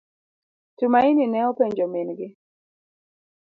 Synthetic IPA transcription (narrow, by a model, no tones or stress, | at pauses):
tumaininɛɔpɛɲd͡ʒɔminɡɪ